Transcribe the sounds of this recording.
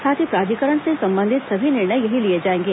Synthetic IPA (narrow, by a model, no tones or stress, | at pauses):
saːt̪ʰipɾaːd̪ʱikəɾəɳ̃sesɐ̃mbə̃nd̪ʱɪt̪sɐbʱinɪɾɳəjjɐɦilied͡ʒaːẽːŋɡeː